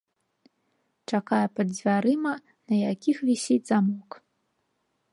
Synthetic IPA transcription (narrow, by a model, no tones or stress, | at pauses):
t͡ʂakajɛpɐd̪zʲvʲaɾɨmɐ | nɐjakʲixvʲisʲidʲzamɔk